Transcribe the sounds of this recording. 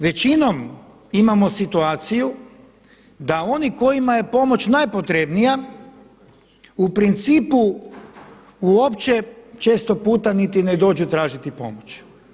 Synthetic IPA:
ʋe̞t͡ɕino̞m | imamo̞sit̪uaːt̪siju | d̪ao̞niko̞jimaje̞po̞mo̞t͡ɕnajpo̞t̪ɾe̞bnija | upɾint̪siːpu | uo̞pt͡ɕe̞t͡ʃe̞ːst̪o̞puːt̪anit̪ined̪o̞ːd͡ʒut̪ɾaːʒit̪ipo̞̰mo̞t͡ɕ

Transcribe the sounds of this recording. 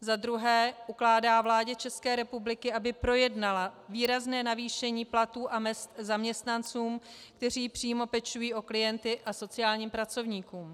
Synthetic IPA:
zad̪ɾuɦɛːʔuklaːdaːvlaːɟɛt͡ʃɛskɛːɾɛpublɪkɪʔabɪpɾo̞jɛdnalaviːɾaznɛːnaviːʃɛɲiːplat̪uːʔamɛst̪zamɲɛst̪nant͡suːmk̚t̪ɛr̝iːpr̝̥iːmo̞pɛt͡ʃujiːʔo̞klɪjɛnt̪ɪʔaso̞t͡sɪjaːlɲiːmpɾat͡so̞vɲiːkuːm

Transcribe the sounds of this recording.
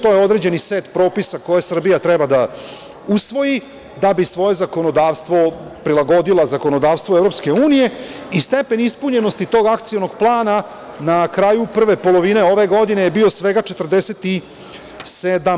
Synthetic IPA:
t̪o̞jeo̞d̪ɾe̞d͡ʑe̞niseːt̪pɾo̞ːpisako̞jesr̩bijat̪ɾebad̪a | usʋo̞ji | d̪abisʋo̞je̞zako̞nod̪aːʋst̪ʋo̞pɾilaɡo̞d̪ilˠazako̞no̞d̪aːʋst̪ʋo̞evɾo̞pske̞uːnije̞ist̪e̞pe̞nispuɲe̞no̞st̪it̪o̞ːɡakt̪siono̞ɡplˠaːna | nakɾajupr̩ʋe̞polo̞ʋine̞o̞ʋe̞ɡo̞d̪inejebio̞sʋe̞ɡat͡ʃet̪r̩d̪eset̪i | sed̪am

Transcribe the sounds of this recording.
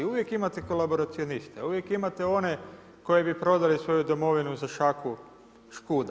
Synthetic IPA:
uʋje̞kimat̪eko̞labo̞ɾat̪sio̞nist̪euʋje̞kimat̪eo̞ne̞ | ko̞jebipɾo̞d̪alisʋo̞jud̪o̞mo̞ʋinuzaʃaku | ʃkuːd̪

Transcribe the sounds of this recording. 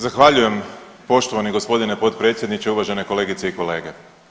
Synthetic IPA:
zaxʋaʎuje̞m | po̞ʃt̪oʋaniɡo̞spo̞d̪inepo̞t̪pɾe̞ːt̪sjed̪nit͡ʃeuʋaʒe̞ne̞ko̞le̞ːɡit̪seiko̞le̞ːɡe

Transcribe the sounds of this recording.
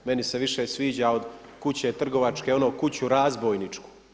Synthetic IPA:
me̞nise̞ʋiʃesʋiːd͡ʑao̞d̪ | kut͡ɕet̪r̩ɡo̞ʋat͡ʃke̞o̞noːkut͡ɕuɾaːzboːjnit͡ʂku̥

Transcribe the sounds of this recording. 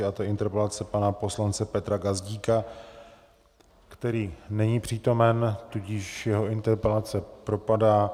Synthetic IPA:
ɪat̪oʔɪnt̪ɛɾpɛlat͡sɛpanapo̞slant͡sɛpɛt̪ɾaɡazɟiːka | kt̪ɛɾiːnɛɲiːpr̝̥iːt̪o̞mɛnt̪uɟɪʃjɛɦo̞ʔɪnt̪ɛɾpɛlat͡sɛpɾo̞padaː

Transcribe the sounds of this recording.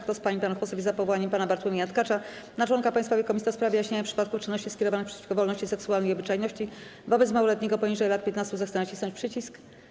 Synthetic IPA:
kt̪ɔspaɲipanaxfɔsɔvʲizapɔvɔwaɲɛmpanabaɾt̪wumʲiat̪kat͡ʂanat͡ʂwɔŋkapaj̃st̪favʲjekɔmʲisɔspɾavʲjɛjaɕɲeɲapʂɘ̥pat̪kut͡ʂɘnːɔɕt͡ɕiskʲɛɾɔvanɘxpʂɛt͡ɕi̥fkɔvɔlnɔɕt͡ɕisɛksualnɛjɔbɘt͡ʂajnɔɕt͡ɕivɔbɛt̪smawɔlɛt̪̚ɲɛɡɔpɔɲiʐɛjlat̪̚pʲjɛt̪nast̪uzaxsanaɕisɔ̃ɲt͡ɕpʂɘt͡ɕisk

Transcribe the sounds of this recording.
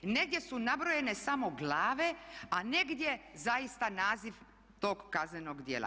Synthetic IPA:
ne̞ɡ̚d̪je̞sunabɾoje̞ne̞samo̞ɡlˠaːʋe̞ane̞ɡd̪jezajist̪anaːziʋ | t̪oːɡːaznenoɡd̪jeːlˠʔa̰

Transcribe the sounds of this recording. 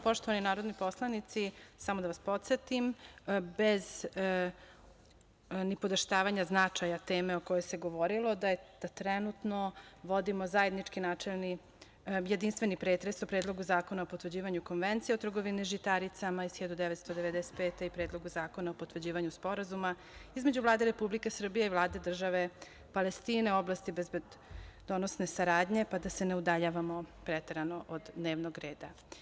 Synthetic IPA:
po̞ʃt̪oʋaninaːɾo̞d̪nipo̞slˠanit̪sisamod̪aʋaspo̞t̪set̪imbez | nɛpod̪aʃt̪aːʋaɲaznat͡ʂajat̪eːmeo̞ko̞jojseɡoʋo̞ɾilo̞d̪ad̪̥at̪ɾɛnut̪noʋo̞d̪imozaje̞d̪nit͡ʂkinaːt͡ʂelni | je̞d̪inst̪ʋenipɾeːt̪ɾesopɾeːd̪lˠo̞ɡuzaːko̞naopot̪ʋər̩d͡ʑiːʋaɲuko̞nʋent̪sijeot̪r̩ɡoʋiniʒit̪aɾit̪samaisxçjed̪ud̪eʋet̪st̪od̪eʋed̪ɛse̥t̪̚peːt̪eipɾeːd̪lˠo̞ɡuzaːko̞naopot̪ʋər̩d͡ʑiːʋaɲuspo̞ɾazuma | izme̞d͡ʑuvlˠaːd̪eɾe̞publikesr̩bijeivlˠaːd̪ed̪r̩ʒaʋe̞ | palest̪iːne̞oblast̪ibezbed̪ | d̪onosne̞saɾaːd̪ɲe̞pad̪ase̞neud̪aʎaːʋamopɾet̪eɾanoʔod̪neːʋnoɡɾeːd̪a

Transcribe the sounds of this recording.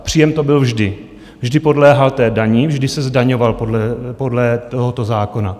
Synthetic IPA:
pr̥iːjɛmt̪o̞bɪlvʒdɪ | vʒdɪpo̞dlɛːɦalt̪ɛːdaɲivʒdɪsɛzdaɲovalpodlɛpo̞dlɛt̪oɦot̪ozaːko̞na

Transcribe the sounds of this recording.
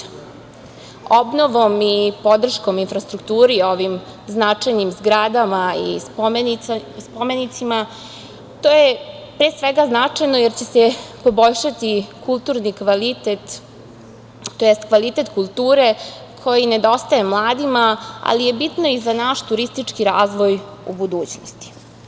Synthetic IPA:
obnoʋo̞mipo̞d̪r̩ʃko̞minfɾast̪ɾukt̪uːɾio̞ʋim | znat͡ʂajnimzɡɾad̪amaḭsomnspomenit̪sima | t̪oːje | pɾeːsʋeɡaznat͡ʂajnojeɾt͡ɕesepo̞bo̞ʎʃat̪ikulˠt̪uɾnikʋalit̪et̪ | t̪ːojest̪kʋalit̪et̪kulˠt̪uːɾe̞ | kʰo̞jined̪o̞st̪aje̞mlˠaːd̪imaa̰lije̞bit̪no̞izanaʃt̪uɾist̪it͡ʂkiɾaːzʋo̞jṵbud̪uːt͡ɕnost̪i̥

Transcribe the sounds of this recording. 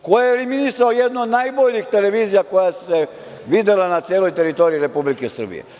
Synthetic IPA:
kojeeliminisaojed̪nood̪najboʎixt̪e̞leʋiːzijako̞jasse | ʋid̪elanat̪sijeːlˠo̞jt̪e̞ɾit̪o̞ɾiiɾe̞publikesr̩bḭjḛ

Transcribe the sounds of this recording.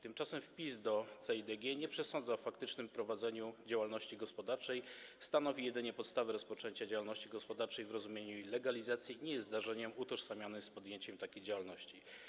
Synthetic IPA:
t̪ɘmt͡ʂasɛmfpʲizd̪ɔt̪sɛid̪ɛɡʲjɛɲɛpʂɛsɔnd̪zaɔfakt̪ɘt͡ʂnɘmpɾɔvad̪zɛɲud͡ʑawalnɔɕt͡ɕiɡɔspɔd̪aɾt͡ʂɛjst̪anɔvʲijɛd̪ɘɲɛpɔt̪st̪avɘɾɔspɔt͡ʂɛɲt͡ɕad͡ʑawalnɔɕt͡ɕiɡɔspɔd̪aɾt͡ʂɛjvɾɔzumʲjeɲuilɛɡalʲizat̪sʲjiɲɛjɛsd̪aʐɛɲɛmut̪ɔʂsamʲjanɘspɔd̪jeɲt͡ɕɛmt̪akʲejd͡ʑawalnɔɕt͡ɕi

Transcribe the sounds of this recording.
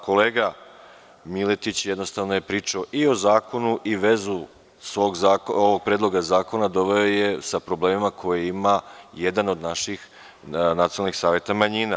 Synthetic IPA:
ko̞leːɡa | milet̪it͡ɕjed̪no̞st̪aʋno̞je̞pɾiːt͡ʃao̞ʔio̞zaːko̞nuʔiʋe̞zu | sʋo̞ːɡzaːkoʋoɡ̚pɾeːd̪lˠo̞ɡazaːko̞nad̪o̞ʋe̞o̞je̞sapɾo̞bleːmimakʰo̞jeimaje̞d̪ano̞d̪naʃix | nat̪ionalnixsaːʋje̞t̪amaɲina

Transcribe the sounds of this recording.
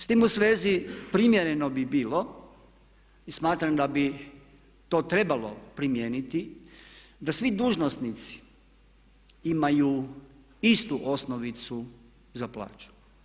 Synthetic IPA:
st̪imusʋe̞ːzipɾimjeɾe̞no̞bibiːlo̞ | ismaːt̪ɾamd̪abi | t̪o̞ːt̪ɾe̞balo̞̰pɾimjeːnit̪i | d̪asʋid̪uːʒnosnit̪si̥ | imaju | ist̪uʔosnoʋit̪su | zaplˠa̰ːt͡ʃu̥

